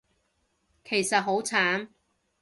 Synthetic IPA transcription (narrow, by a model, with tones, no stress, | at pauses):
kʰe˨˩jsɐ˨t̚ɦo˨˥wt͡sʰaː˨˥n